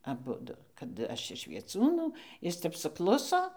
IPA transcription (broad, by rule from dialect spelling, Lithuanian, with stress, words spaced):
ɐˈbʊdʊ kɐt ˈɐʃ ɪʃ ʋʲiɛˈt͡suːnuː ˈjɪs ˈtʲɛp sʊˈklˠʊsoː